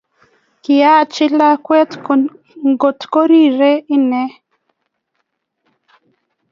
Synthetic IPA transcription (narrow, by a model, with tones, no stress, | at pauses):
kɪ˨ja˦˨t͡ʃɪ˦la˦kwɛ˦t | ŋɡo˨tko˦ɾi˦˨ɾe˦i˦nɛ˦